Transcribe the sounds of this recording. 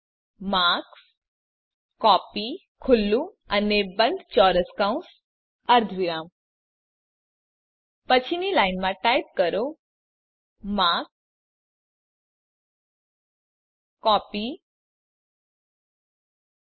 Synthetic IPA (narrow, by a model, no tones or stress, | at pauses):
maks | kɔːpi | kʰulːũ | anebə̃nd̪t͡ɕɔːɾəskãũs | əɾd̪ʱʋiɾaːm | pət͡ɕʰinilainmãʈajp̚kəɾo | mak | kɔːpi